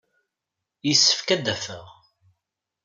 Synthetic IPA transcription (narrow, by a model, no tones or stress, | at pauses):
jisːə̥fkæd̪ːæfə̰ʁ